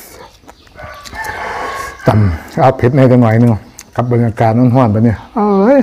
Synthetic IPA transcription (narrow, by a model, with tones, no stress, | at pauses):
t̪a˨˩mʔa˧˩wpʰe˨˦t̪̚na˧˩t͡ɕa˧ŋnɔ˨˩˦jnɯ˧˨ka˧˦p̚ba˨˧nːaː˧kaː˨˧t̪̚nɔː˧˥˨nɦɔ˧˥˩npa˧ni˧˩ʔa˧˨j